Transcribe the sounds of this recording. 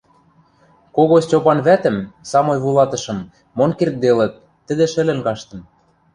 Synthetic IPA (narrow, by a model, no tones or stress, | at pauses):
koɣost͡ɕopɑnβæt̪ə̆msɑmojβulˠɑt̪ɤ̆ʃɤ̆mː | onkert̪̚d̪elə̆t̪̚ːə̆d̪ĕʃɘ̆lɘ̆nkɑʃt̪ɤ̆m